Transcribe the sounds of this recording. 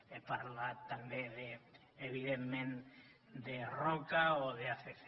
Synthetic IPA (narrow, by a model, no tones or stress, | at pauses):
epaɾlat̪ambeðe | eβiðemmẽn | d̪erokaoðeafekθ